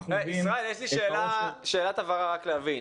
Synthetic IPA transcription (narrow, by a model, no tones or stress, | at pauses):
eisʁaeljeʃliʃeːlaʃe̞ːlat̪avaʁaʁakleavin